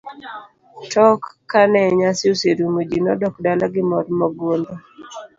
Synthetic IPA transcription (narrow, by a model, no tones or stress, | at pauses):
tɔkː | anɛɲasɪuseɾumud͡ʒinɔdɔkdalaɡɪmɔɾmɔɡwond̪ɔ